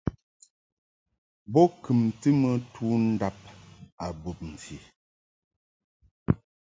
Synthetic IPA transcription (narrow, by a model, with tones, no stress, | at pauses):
bɔ˦kɨ˨mtɨ˦mə˨tʰu˦n̩˦da˦p̚a˨bo˨p̚m̩˨fji˨